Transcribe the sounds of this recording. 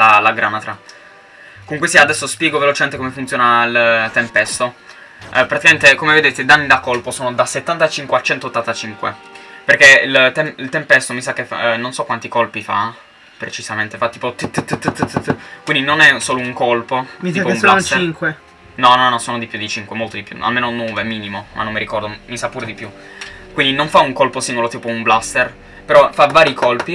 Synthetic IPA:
lalaɡɾamat̪ɾa | komuŋkwesiad̪ɛsːospjɛːɡovelot͡ʃement̪ekomefunt̪joːnailt̪ːempɛst̪o | pɾat̪ikament̪ekomeved̪eːt̪ed̪anːid̪akolposoːnod̪aset̪ːant̪at͡ʃiŋkweat͡ʃɛnt̪oːt̪ːant̪at͡ʃiŋkwḛ | perkeilt̪ɛmilt̪empɛst̪omisakːefa̰nːonsɔkːwant̪ikolpifa̰ | pɾet͡ʃiz̥ament̪efat̪ːiːpot̪t̪ːt̪ːt̪ːkwind̪inonɛsoːlouŋkolpoit̪ipoũmlast͡ʃt̪iŋkwe | nɔnːɔnːɔsoːnod̪ipːjud̪it͡ʃiŋkwemolt̪od̪ipjṵa̰lmeːnonoːvemiːnimoma̰nːomːiɾikɔrd̪omisapːuːɾed̪ipju | kwind̪inoɱfauŋkolposiŋɡolot̪iːpoumblast̪er | peɾɔfavːaːɾikolpi

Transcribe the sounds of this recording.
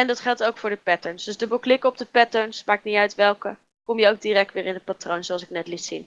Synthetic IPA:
ɛndɑtχɛlˠtowkfʊːɹdəpɛtəɹnsdɵzdəboklɪkəɔb̚dəpɛtəɹnsmaːk̚niœɥtʋɛlˠkə | kɔmjəowɡ̚diɾɛk̚tʋɪːɹɪnɦət̚patrownzowɑlsɪk̚nɛtlitsin

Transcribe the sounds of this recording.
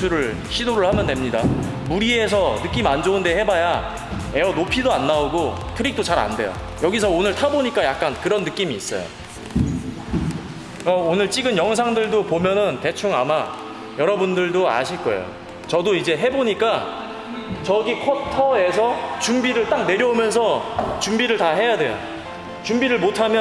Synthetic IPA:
uɾɯɭ | ɕʰidoɾɯɭhamjʌndemɲida̰ | muɾie̞s̬ʰʌnɯk͈imand͡ʑoɯnde̞he̞baja | e̞ʌnopʰidoanːaoɡotʰɯɾik̚t͈ot͡ɕaɾa̰nde̞̰jo̰ | jʌɡis̬ʰʌonɯɭtʰaboɲik͈ajak̚k͈ankɯɾʌnːɯk͈imiːs͈ʌ̰jo̰ | aonɯɭt͡ɕ͈iɡɯnjʌŋs̬ʰaŋdɯɭdopomjʌnɯnte̞t͡ɕʰuŋama | jʌɾʌbundɯɭdoa̰ɕʰiɭk͈ʌ̰ḛjo̰ | t͡ɕʌdoid͡ʑe̞ɦeboɲik͈a | t͡ɕʌɡikʰotʰʌe̞s̬ʰʌt͡ɕumbiɾɯɭt͈ak̚ne̞ɾjʌumjʌns̬ʰʌt͡ɕumbiɾɯɭtaɦe̞jade̞̰jo̰ | t͡ɕumbiɾɯɭmotʰamjʌ

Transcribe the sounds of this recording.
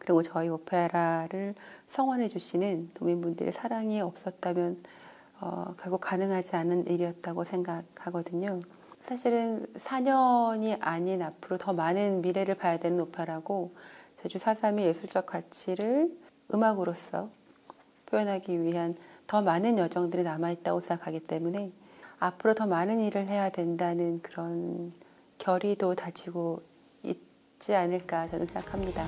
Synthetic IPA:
kɯɾiɡot͡ɕʌiopʰeɾaɾɯɭsʰʌŋwanɦe̞d͡ʑuɕʰinɯnːominbundɯ̰ɾḭsʰaɾaŋiʌp̚s͈ʌt̚t͈amjʌn | ʌ̰kjʌɭɡuk͈anɯŋɦad͡ʑianɯnʔiɾiʌt̚t͈aɡosʰe̞ŋɡak̚haɡʌdɯɲo | sʰaɕʰiɾɯnsʰaɲʌɲiʔaɲinapʰɯɾotʌmanɯnmiɾe̞ɾɯɭpajadwe̞nɯnopʰjeɾaɡot͡ɕed͡ʑusʰasʰamije̞sʰuɭt͡ɕ͈ʌkʰwat͡ɕʰiɾɯɭ | ɯmaɡɯɾos͈ʌ̰ | pʰjojʌnɦaɡiɥiɦantʌmanɯnjʌd͡ʑʌŋdɯɾinamait̚t͈aɡosʰe̞ŋɡakʰaɡit͈e̞mune̞apʰɯɾotʌmanɯniɾɯɭɦe̞jadwe̞ndanɯnkɯɾʌn | kjʌɾidotad͡ʑʰiɡo | ḭt | t͡ɕ͈ianɯɭk͈at͡ɕʌnɯnsʰe̞ŋɡakʰamɲida

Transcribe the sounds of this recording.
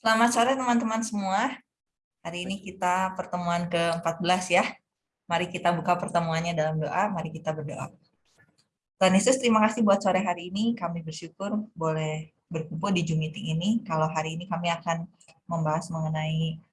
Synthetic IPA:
səlamat̪soɾɛht̪əmant̪əmansəmua | haɾiːnikit̪apərt̪əmuankəəmpat̪̚bəlasja | maɾikit̪abukapərt̪əmuanɲadalamdoʔamaɾikit̪abərdoʔa̰ | t̪uanisʊst̪əɾimakasɪhbuat̪̚soɾɛɦaɾiːnikamibərʃukʊrbolɛh | bərkumpʊldid͡ʒumit̪iŋinikaloɦaɾiːnikamiakan | məmbaɦasməŋənai

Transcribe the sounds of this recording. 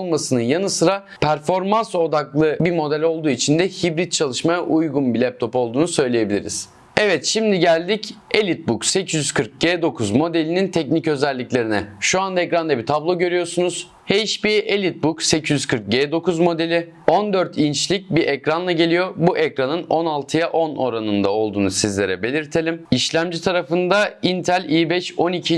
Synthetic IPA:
lˠmasɯnɯnjanɯsɯɾa | pʰæɾfo̞ɾmanso̞d̪aklˠɯbimo̞d̪ælʲo̞lˠd̪uːit͡ʃʰind̪ɛhibɾit̪̚t͡ʃʰalˠɯʃmajaʔujɡunbilʲɛp̚t̪ʰo̞po̞lˠd̪uːnusø̞jlʲeje̞bilʲḭɾḭz̥ | ɛvɛt̪ʃimd̪iɟælʲd̪icelʲit̪̚bukse̞cʰizyz̥kʰɯɾk̚ɟeːd̪o̞kʰuzmo̞d̪e̞lʲinint̪ʰɛcnicø̞zɛlʲːiclʲe̞ɾinɛ̰ʃuand̪aɛkɾand̪abit̪ʰablˠo̞ɟø̞ɾyjo̞ɾsunuz̥ | hejʃbielʲit̪̚bukse̞cʰizyzkʰɯɾk̚ɟeːd̪o̞kuzmo̞d̪e̞lʲɪ | o̞nd̪øɾt̪ʰint͡ʃlʲic̚biɾʔɛcɾanlˠaɟe̞lʲijo̞buʔɛcɾanɯno̞nalˠt̪ʰɯjaʔo̞no̞ɾanɯnd̪ao̞lˠd̪uːnusizlʲe̞ɾɛbe̞lʲiɾt̪ʰe̞lʲimiʃlʲæmd͡ʒit̪ʰaɾafɯnd̪aint̪ʰælʲiːbɛʃo̞nicʰi

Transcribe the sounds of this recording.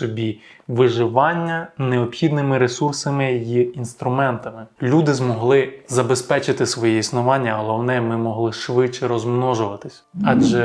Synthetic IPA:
sɔbʲiʋɪʒɪʋɑnʲːɐneɔpxʲid̪nɪmɪɾesursɐmɪjjiinst̪ɾʊmɛnt̪ɐmɪlʲud̪ɪzmɔɦlˠɪzɐbespɛt͡ʃɪt̪ɪsʋɔjɛisnʊʋɑnʲːɐɦɔlˠɔwnɛmɪmɔɦlˠɪʃʋɪt͡ʃːɛɾɔzmnɔʒʊʋɐt̪ɪsʲɑʒɛ

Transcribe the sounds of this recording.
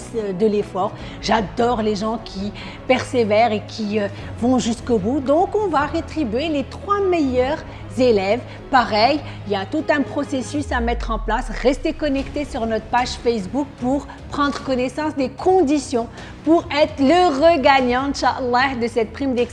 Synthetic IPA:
sd̪əlefɔːʁ | ʒad̪ɔʁleʒɑ̃kʲʰi | pɛʁsevɛʁekʲʰiø | vɔ̃ʒyskobud̪ɔ̃kɔ̃vaʁet̪χibɥelet̪χwamejœʁ | zelɛv | paʁɛj | iljat̪ut̪ɛ̃pχɔsesysamɛt̪χɑ̃plasʁɛst̪ekɔnɛkt̪esyʁnɔt̪χəpaʒfɛs̬buk̚puʁ | pχɑ̃d̪ʁəkɔnɛsɑ̃sd̪ekʰɔ̃d̪isjɔ̃ | puʁɛt̪χləʁəɡaɲɑ̃ʃaʔlːad̪əsɛt̪̚pχimd̪ɛks

